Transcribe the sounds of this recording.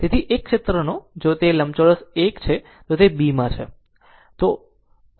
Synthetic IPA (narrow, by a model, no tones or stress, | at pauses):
t̪et̪ʰiʔekːʃet̪ɾənod͡ʒot̪eləmt͡ʃoɽəsekt͡ʃʰe | t̪ot̪ebimãt͡ʃʰḛ | t̪o